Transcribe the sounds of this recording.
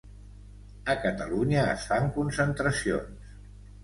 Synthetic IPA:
əkət̪əluɲə̰ːsfaŋkunsənt̪ɾəsio̰ns

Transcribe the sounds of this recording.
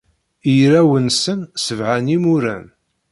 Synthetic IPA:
iɾæwənsənsəvʕænimʊɾæ̰n

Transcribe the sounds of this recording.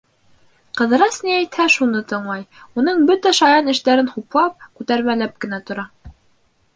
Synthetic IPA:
qɤ̆ðɤ̆ɾɑsniæjt̪hæʃunɤt̪ɤ̆ɴlˠɑjunɤɴbɵt̪æʃɑjɑnɘ̆ʃt̪æɾɘnχuplˠɑp̚kʉt̪æɾmælæp̚kɘ̆næt̪ŏɾɑ

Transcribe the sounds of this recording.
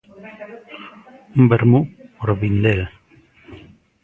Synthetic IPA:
umbeɾmupoɾβind̪el

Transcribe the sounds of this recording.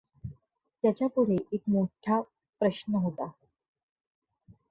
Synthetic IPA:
t̪jat͡ɕjapuɽ̤eʔekmoʈʰja | pɾəɕnəɦot̪a

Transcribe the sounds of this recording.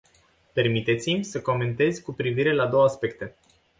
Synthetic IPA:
pe̞rmit̪e̞t̪simʲsəko̞me̞nt̪e̞zʲkupɾiviɾe̞lad̪o̞wəaspe̞kt̪e̞

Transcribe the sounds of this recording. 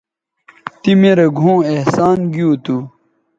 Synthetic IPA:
t̪imeɾeɡʱõːehsaːnɡit̪u

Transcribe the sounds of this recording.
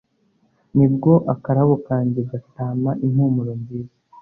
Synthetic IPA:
nib̚ɡo̞ʔakaɾaβokaːɲɟeɡataːmaʔin̥huːmuɾo̞ɲziːzḁ

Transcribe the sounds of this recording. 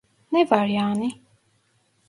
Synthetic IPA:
nɛvaɾjaːni

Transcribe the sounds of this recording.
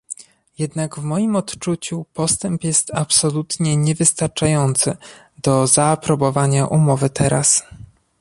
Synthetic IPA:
jɛd̪naɡvmɔjimɔt̪t͡ʂut͡ɕupɔst̪ɛmpjɛst̪apsɔlut̪ɲɛɲɛvɘst̪aɾt͡ʂajɔnt̪sɘ | d̪̥ɔzaːpɾɔbɔvaɲaʔumɔvɘt̪ɛɾas

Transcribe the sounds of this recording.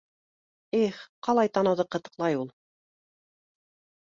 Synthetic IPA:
iχqɑlˠɑjt̪ɑnɤ̆wðɤqɤ̆t̪ɤ̥̆qlˠɑjulˠ

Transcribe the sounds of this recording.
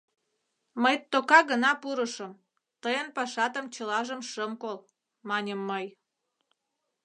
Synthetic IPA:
məjt̪ːokɑɣənɑpuɾəʃəm | t̪əjənpɑʃɑt̪əmt͡ɕəlɑʒəmʃəmkol | mɑnʲəmːəj

